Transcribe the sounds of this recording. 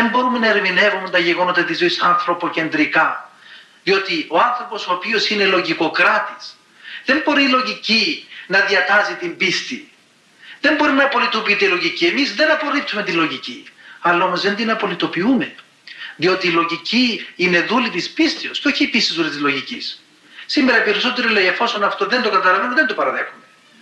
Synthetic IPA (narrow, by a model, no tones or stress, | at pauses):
ðembo̞ɾume̞nɐeɾmine̞vument̪ɐʝeɣo̞not̪ɐt̪izoisɐnθɾo̞po̞ce̞nd̪ɾikɐ | ðio̞t̪io̞ɐnθɾo̞po̞soːpio̞sine̞lo̞ʝiko̞kɾɐt̪is | ðe̞mbo̞ɾiːlo̞ʝicinɐðiɐt̪ɐzit̪imbist̪i | ðe̞mbo̞ɾinɐpo̞lit̪opiit̪eilo̞ʝiciemizðe̞nɐpo̞ɾip̚t̪ume̞t̪ilo̞ʝiciɐlːɐo̞mo̞zðend̪inɐpo̞lit̪o̞piume̞ | ðio̞t̪iːlo̞ʝiciine̞ðulit̪ispist̪iosceo̞çiːpisizðulit̪izlo̞ʝicis | simːeɾɐpe̞ɾiso̞t̪e̞ɾiloʝiefo̞so̞nɐft̪o̞ðe̞nd̪okɐt̪ɐlɐvenoðend̪opɐɾɐðe̞xume